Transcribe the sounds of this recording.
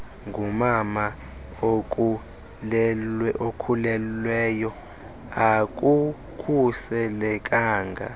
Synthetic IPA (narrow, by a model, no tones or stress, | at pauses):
ŋɡʱumama | ok̬ʼu | ʔokʰulɛlwɛjɔ | ak̬ʼu | kʰusɛlɛk̬ʼaːŋɡʱa̰